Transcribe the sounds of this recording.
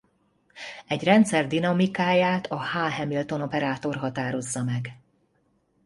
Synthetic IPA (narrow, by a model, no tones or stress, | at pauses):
ɛɟrɛnt̪sɛrd̪inɒmikaːjaːt̪ʰɒhaːɦɛmilt̪o̞no̞pɛɾaːt̪o̞rɦɒt̪aːɾo̞zːɒmɛɡ